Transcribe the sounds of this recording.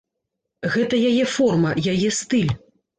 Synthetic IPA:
ɣɛt̪ɐjajɛfɔrmɐjajɛst̪ɨlʲ

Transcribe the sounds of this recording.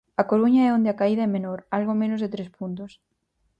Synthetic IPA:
ɐkoɾuɲaɛond̪eakaiðɐɛmenoɾalɣomẽnʊzðet̪ɾespunt̪̬os

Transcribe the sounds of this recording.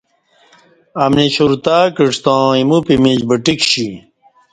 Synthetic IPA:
ɐmniɕuɾt̪aːkiʈ͡ʂt̪ãːimupimid͡ʑbɐʈikɕi

